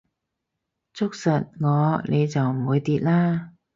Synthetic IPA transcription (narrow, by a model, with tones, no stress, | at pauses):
t͡sʊ˥k̚sɐ˨t̚ŋɔː˨˧nʔe˨˧jt͡sɐ˨wm̩˨˩wuː˨˧jt̪iː˨˧t̚laː˥